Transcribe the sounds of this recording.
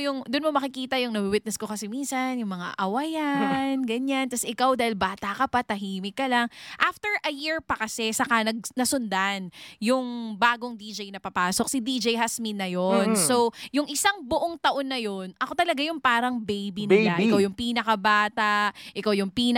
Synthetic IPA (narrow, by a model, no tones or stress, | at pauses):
jʊŋd̪ʊnmomɐkɪkiːt̪ɐjʊŋnɐbiwɪt̪̚nɛskokɐsɛmiːnsɐnjʊŋmɐŋa̰ʔɐwɐjanɡɐɲant̪ɐsɪkawd̪aːhɪlbaːt̪akɐpat̪ɐɦiːmɪkːɐlaŋʔaft̪ɛɹʔɐjiɹpɐkɐsɛsɐkanɐɡ̚nɐsʊnd̪anjʊŋbaːɡoŋd̪id͡ʒejnɐpɐpaːso̞k̚sɪd̪id͡ʒɛjɦasminːɐjonsowjʊŋʔɪsaŋbʊʔoŋt̪ɐʔo̞nːɐjonʔɐko̞t̪ɐlɐɡajʊŋpaːɾɐŋbejbinɪlaʔʔɪkawjʊŋpiːnɐkɐbaːt̪aʔʔɪkawjʊŋpiːn